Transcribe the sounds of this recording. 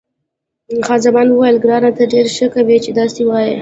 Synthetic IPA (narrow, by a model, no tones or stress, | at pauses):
xɑzamɑnwəwajəlɡɾɑnat̪aɖeɾʃəkawet͡ʃed̪ɑsewɑje